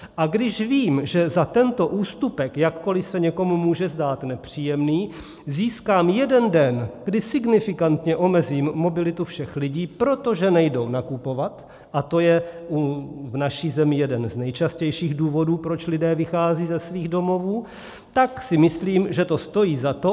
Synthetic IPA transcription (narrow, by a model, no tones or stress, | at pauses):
ʔaɡdɪʃviːmʒɛzat̪ɛnt̪o̞ʔuːst̪upɛkjakːo̞lɪsɛɲɛko̞mumuːʒɛzdaːt̪nɛpr̝̥iːjɛmniː | ziːskaːmjɛdɛndɛnɡ̥dɪsɪɡnɪfɪkant̪ɲɛʔo̞mɛziːmːo̞bɪlɪt̪ufʃɛxlɪɟiːpɾo̞t̪o̞ʒɛnɛjdo̞wnakupo̞vat̪ | ʔat̪o̞jɛʔuvnaʃiːzɛmɪjɛdɛnznɛjt͡ʃascɛjʃiːɣduːvo̞duːpɾo̞t͡ʃlɪdɛːvɪxaːziːzɛsviːɣdo̞mo̞vuː | t̪aksɪmɪsliːmʒɛt̪o̞st̪o̞jiːzat̪o̞